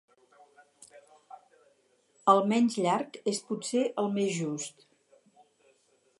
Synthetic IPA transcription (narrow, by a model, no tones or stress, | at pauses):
əlˠmɛnzʎaɾkesput̪seʔəlˠmezʒust̪